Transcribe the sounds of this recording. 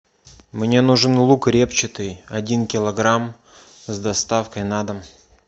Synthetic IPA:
mnʲe̞nuʐɨnlˠukɾʲept͡ɕɪt̪ɨjɐdʲinkʲɪlˠɐɡɾam | zd̪ɐst̪afkəjnad̪əm

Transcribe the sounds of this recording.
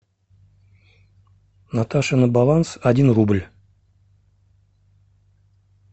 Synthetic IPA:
nat̪aʂɨnəbalˠansɐdʲinrublʲ

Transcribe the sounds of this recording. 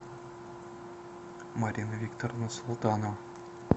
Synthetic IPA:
maɾʲinvʲikt̪ornʊrsulˠt̪ɑno

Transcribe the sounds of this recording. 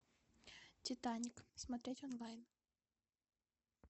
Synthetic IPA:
tʲɪt̪anʲiksmɐt̪ɾʲetʲɔnlˠajn

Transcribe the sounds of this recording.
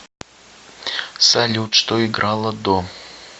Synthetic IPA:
salʲut̪ʂt̪oiɡɾʔalˠəd̪o

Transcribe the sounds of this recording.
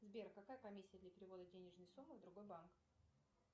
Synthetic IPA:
zbʲeɾkːɐkajəpɐmʲisʲːɪjəd̪lʲɐpʲɪɾʲɪvo̞d̪ədʲenʲɪʐnəjsumːɨvd̪ɾʊɡo̞jbank

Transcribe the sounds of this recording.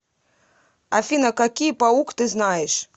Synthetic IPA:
afʲinɐkakʲijpaukt̪ɨznajɛʂ

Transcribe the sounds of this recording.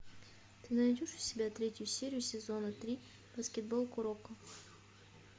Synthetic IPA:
t̪ɨnɐnʲɪdʲoʂʊ̥sʲɪbʲat̪ɾʲetʲʊjʊsʲeɾʲɪjʊsʲɪzonət̪ɾʲi | b̥əskʲɪd̪̚bolˠkʊɾokə

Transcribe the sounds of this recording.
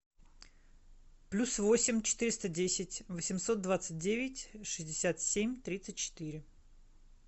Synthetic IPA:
plʲusvo̞sʲɪmʲt͡ɕɪ̥t̪ɨɾʲɪst̪ədʲesʲɪtʲvəsʲɪmso̞t̪̚d̪vat̪sɨt̚ʲdʲevʲɪtʲʂɨzʲdʲɪsʲat̪sʲemʲt̪ɾʲit̪sɨt̚ʲt͡ɕɪ̥t̪ɨɾʲɪ

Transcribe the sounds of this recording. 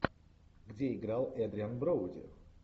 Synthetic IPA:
ɡd͡ʑʲɛiɡɾalˠɛd̪ɾʲianbɾɔwd͡ʑʲɛ̰

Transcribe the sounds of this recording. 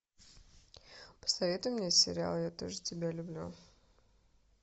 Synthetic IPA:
pə̥sɐvʲe̞t̪ʊjɪmnʲesʲɪ̰ɾʲɪa̰lˠjat̪o̞̰ʐɨtʲɪbʲalʲʊblʲṵ

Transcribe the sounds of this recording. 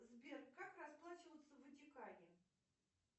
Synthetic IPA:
zbʲerkːakrɐsplˠat͡ɕɪvət̪səvɨtʲɪkanʲɪ

